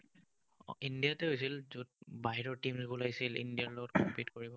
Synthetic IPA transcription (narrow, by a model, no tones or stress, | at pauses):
indijatɛɦojsilzud̚baɦiɹɔɹtimsbulajsilḭndijaɹlɔɡɔtkɔmpitkɔɹibɔ